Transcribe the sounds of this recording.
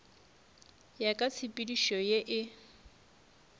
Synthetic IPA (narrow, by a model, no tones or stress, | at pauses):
jakʼat͡sʰipʼidiʃɔjeʔɪ